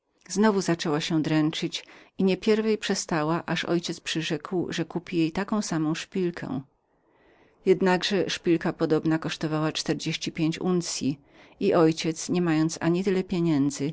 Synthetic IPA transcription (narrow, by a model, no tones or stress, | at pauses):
znɔvuzat͡ʂɛwaɕɛd̪ɾɛnt͡ʂɘt͡ɕiɲɛpʲjɛɾvɛjpʂɛst̪awaʔaʂɔ̰jt͡ɕɛt̪spʂɘʐɛkwʐɛkupʲijejt̪akɔ̃w̃samɔ̃w̃ʂpʲilkʰɛ̰̃ | jɛd̪naɡʐɛʂpʲilkapɔd̪ɔbnakɔʂt̪ɔvawat͡ʂt̪ɛɾd͡ʑeɕt͡ɕipʲjeɲt͡ɕunt̪sʲji | iʔɔjt͡ɕɛt̪sɲɛmajɔnt̪saɲit̪ɘlɛpʲjeɲɛnd̪zɘ